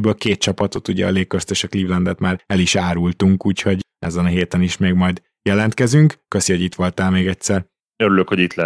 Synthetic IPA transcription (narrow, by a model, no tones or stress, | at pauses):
bøːlkeːt̪̚t͡ʃɒpɒt̪o̞t̪uɟɛ̰ɒ̰leːkːøst̪eːʃɒkliːvlɛnd̪ɛt̪maːɾɛliʃaːɾult̪uŋkuːcho̞ɟ | ɛ̰zɛnɒɦeːt̪ɛniʃmeːɡmɒjd̪ | jɛlɛnt̪kɛzyŋkkøsiho̞ɟit̪ʋo̞lt̪aːlmeːɡɛcʲsɛr | øɾyløkho̞ɟit̪lɛ